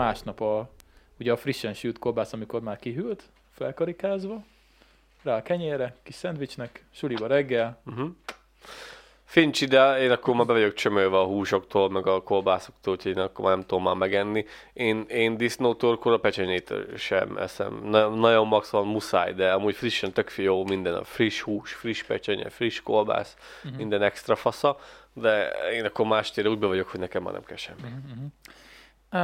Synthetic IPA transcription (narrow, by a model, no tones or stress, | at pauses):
aːʃnɒpɒ | uɟɛːfriʃːɛnʃyːt̪korbaːsɒmiko̞rmaːrkiɦylt̪ | fɛlkɒɾikaːzʋɒ | raːlkɛɲeːrɛkiʃsɛnt̪ʋit͡ʃnɛkʃulibɒɾɛɡːɛlm̩ɦ̩ | fint͡ʃid̪ɛeːnɒkːoɾmaːɾbɛvɒɟo̞kt͡ʃømølvɛɒɦuːʃo̞kt̪ʰoːlmɛɡɒkorbaːso̥k̚t̪oːlhucʰhoeːnɒkːormaːnɛmt̪ud̪omːaːmɛɡɛnːi | eːneːnd̪isnoːt̪orkoɾɒpɛt͡ʃɛɲeːt̪ø̰ːlʃɛ̰mɛ̰sɛ̰mnnɒjo̞mːɒksvɒnmusa̰ːjd̪ɛɒmuːcfriʃɛnt̪økfijoːmind̪ɛnɒ̰friʃhuːʃfriʃpɛt͡ʃɛɲɛ̰friʃkolba̰ːs | mind̪ɛnɛkst̪rɒfɒsɒd̪ɛeːnɒkːoɾmaːʃt̪eːɾɛuːɟ̚bɛvɒɟo̞kho̞ɟnɛkɛmːa̰ːnɛ̰mkɛ̰lʃɛmːi